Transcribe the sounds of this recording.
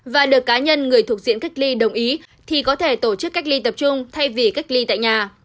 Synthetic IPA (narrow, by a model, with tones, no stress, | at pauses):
vaː˨˩ɗɨ˨˩əkːaː˨˦ɲə˧nŋɨ˨˩əjt̪ʰək̚zḭ˧˨ənka˦˥jk̟̚li˧ɗə˨˩wŋ͡mʔi˨˦ | t̪ʰi˨˩kɔ˨˦t̪ʰe˧˩t̪o˧˩t͡ɕɨ˦˥kːa˦˥jk̟̚li˧t̪ə˨˩p̚t͡ɕʊ˧ŋ͡mt̪ʰa˧jvi˨˩ka˦˥jk̟̚li˧t̪a̰ː˧˨jɲaː˨˩